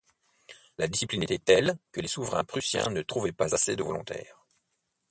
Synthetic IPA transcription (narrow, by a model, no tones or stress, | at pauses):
lad̪isiplinet̪ɛt̪ɛlkəlesuvʁɛ̃pχysjɛ̰̃nət̪χuvɛpazased̪əvɔlɔ̃t̪ʰɛ̰ːʁ